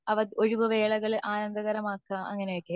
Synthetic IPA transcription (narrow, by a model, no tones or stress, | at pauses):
ɐʋɐðoɻuʋɨʋe̞ːɭɐɣɐɭʔaːnɐnd̪ɐɣɐɾɐmaːkːɐʔɐ̰ŋːɐnejokːe